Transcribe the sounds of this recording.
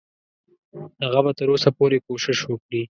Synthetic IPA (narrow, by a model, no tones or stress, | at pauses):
haɣabat̪əɾosapoɾekoʃɪʃwəkɽi